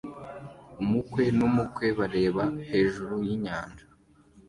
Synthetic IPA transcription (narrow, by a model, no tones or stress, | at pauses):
umukwe̞numukwe̞βaɾe̞ːβahe̞ːʒuɾujiɲaːnd͡ʒa